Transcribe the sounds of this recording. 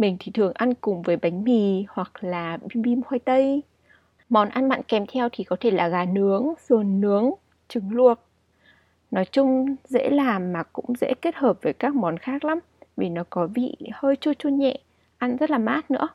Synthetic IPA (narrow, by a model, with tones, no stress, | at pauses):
mï˨˩ŋ̟t̪ʰi˨˩t̪ʰɨ˨˩əŋʔa˧nkʊ˨˩ŋ͡mvəː˨˦jɓa˨˦jŋ̟mi˧˨˩hwa˨˩k̚laː˨˩ɓi˧ɓi˧mhwaː˧jt̪ə˧j | mɔ˨˦nʔa˧nɓa̰ː˧˨nkɛ˨˧˩mt̪ʰɛ˧wt̪ʰi˨˩kɔ˨˦t̪ʰe˧˩laː˨˩ɣaː˨˩nɨ˨˦əŋsɨ˨˩nːɨ˨˦əŋ | t͡ɕɨ˨˦ŋlu˨˩ət̚ | nɔ˨˦jt͡ɕʊ˧ŋ͡mzḛ˧˥laː˨˩mːaː˨˩kʊ̰˧˥ŋ͡mzḛ˧˥ke˦˥t̚həː˨˩p̚vəː˨˦jkaː˦˥k̚mɔ˨˦nxaː˦˥k̚la˨˦m | vi˨˩nɔ˨˦kɔ˨˦vḭ˧˨həː˧jt͡ɕo˧t͡ɕu˧ɲɛ̰˧˨ʔ | ʔa˧nzə˦˥t̚laː˨˩maː˦˥t̚nɨ̰˧˥ə